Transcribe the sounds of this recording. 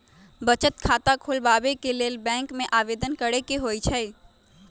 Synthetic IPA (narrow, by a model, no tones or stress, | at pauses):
bət͡ʃət̪kʰaːt̪akʰʊlbaːbekeleːlbɛ̃ːŋkmẽʔaːʋeːd̪ənkəɽekeɦoːit͡ʃʰɛ